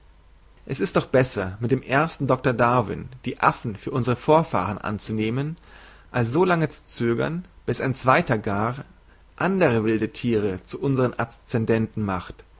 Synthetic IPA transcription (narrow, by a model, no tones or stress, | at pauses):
ʔɛsɪstd̥ɔχb̥ɛsɐmɪtd̥eːmʔeːɐstn̩dɔk̚tɐdaɐvɪ̰nd̥iːʔafn̩fyːɐʊnzəʁ̞əfoːɐfa̰ːʁ̞ənʔa̰nt͡suneːmən | ʔalsz̥oːlaŋət͡su̥t͡søːɡɐ̰nb̥ɪsaɪnt͡sv̥aɪtɐɡaʁ | ʔandəʁ̞əvɪldətʰiːʁ̞ət͡suʔʊnzəʁənʔast͡sɛndɛntn̩maχt